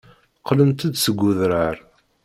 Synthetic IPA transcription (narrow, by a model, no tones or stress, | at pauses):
qːlənt̪əd̪səɡʷːʊðɾəɾ